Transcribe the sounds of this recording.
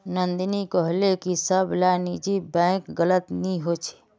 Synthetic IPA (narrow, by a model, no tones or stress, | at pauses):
nənd̪nikəɦlekisəbʱlanid͡ʒibɛ̃kɡələt̪niɦot͡ʃʰe̥